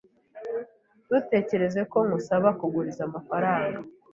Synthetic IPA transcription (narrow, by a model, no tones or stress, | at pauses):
d̥ute̞ːce̞ɾe̞ze̞ko̞ŋɡusaβakuɡuɾizamafaɾaːŋɡa